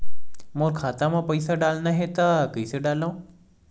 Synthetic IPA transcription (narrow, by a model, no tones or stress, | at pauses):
moːɾkʰaːt̪amãpɐɪsaɖaːlnaɦet̪akəɪseɖaːlaõ